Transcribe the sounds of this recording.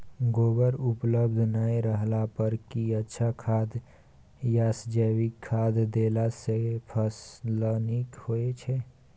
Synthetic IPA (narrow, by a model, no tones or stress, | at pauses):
ɡoːbəɾʊpləbd̪ʱnaeɾəɦlapəɾkiətːʃʰakʰaːd̪ | jaːsd͡ʒəːwikʰːaːd̪ʱd̪eːlasepʰəslənikhoet͡ʃʰɛ